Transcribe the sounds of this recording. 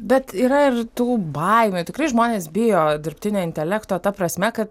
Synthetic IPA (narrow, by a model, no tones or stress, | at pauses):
bʲɛt̪iːɾɐɪrt̪uːbɐɪmʲut̪ʲɪkrɐɪʒmoːnʲeːsbʲɪjoːd̪ʲɪɾʲpʲt̪ʲɪnʲoːɪnʲt̪ʲɛlʲækt̪oːt̪ɐpɾɐsʲmʲɛkɐt̪